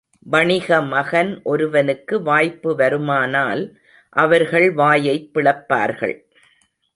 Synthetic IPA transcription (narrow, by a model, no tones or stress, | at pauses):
ʋɐɳɪɣɐmɐɣɐnʔɔɾɯʋɐnɯkːɯʋaːjpːɯʋɐɾɯmaːnaːl | ʔɐʋɐɾɣɐɭʋaːjɐɪpːɪɭɐpːa̰ːɾɣɐ̰ɭ